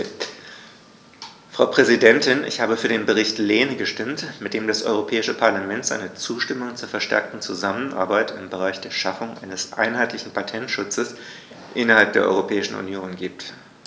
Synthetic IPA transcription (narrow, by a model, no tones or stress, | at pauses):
fʁ̥aʊpʁ̥ɛzidɛntɪnɪ̰çhaːbəfyːɐdeːnbəʁ̞ɪçtleːnəɡəʃtɪmtmɪt̚d̥eːmdasʔɔ̰ʏʁopʰɛːɪʃəpʰaɐlamɛntz̥a̰ɪnət͡suːʃtɪmʊŋt͡suːɐfɛɐʃtɛ̰ɐk̚tn̩t͡suzamənʔa̰ɐbaɪtʰɪmbəʁ̞aɪçd̥eːɐʃafʊŋʔa̰ɪnəsʔa̰ɪnɦaɪtlɪçn̩pʰatʰɛntʃʊt͡səs | ʔɪnɐhalp̚d̥eːɐʔɔ̰ʏʁopʰɛːɪʃn̩ʔṵnjoːnɡiːp̚t